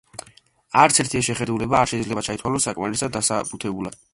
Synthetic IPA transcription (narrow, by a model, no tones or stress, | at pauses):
aɾt̪sʰɛɾt̪ʰiɛʃɛχɛd̪ulɛbaːɾʃɛid̪zlɛbat̪t͡ʃʰait̪ʰwalɔsːakʼmaɾisad̪ːasabʼut̪ʰɛbula̰d̪̥